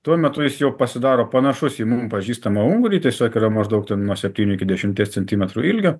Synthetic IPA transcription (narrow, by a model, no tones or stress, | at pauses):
t̪uɔmʲɛt̪ʊjɪsjɛʊpɐsʲɪd̪ɑːɾoːpɐnɐʃʊsiːmʊmpɐʒʲiːst̪ɐmɐʊŋɡɾʲiːt̪ʲiɛsʲoːkiːɾɐmɐʒd̪ɐʊkt̪ʲɛnnuɔsʲɛpʲt̪ʲiːnʲʊɪkʲɪd̪ʲɛʃʲɪmʲt̪ʲeːsʲt͡sʲɛnʲt̪ʲiːmʲɛt̪ɾuːɪlʲɡʲoː